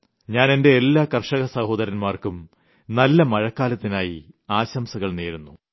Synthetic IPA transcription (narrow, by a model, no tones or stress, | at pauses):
ɲaːne̞nde̞ːlːaːkɐrʂɐɣɐsɐho̞ːd̪ɐɾɐnmaːrkum | nɐlːɐmɐɻɐkːaːlɐt̪ːinaːjḭ | aːɕɐmsɐɣɐɭneːɾunːu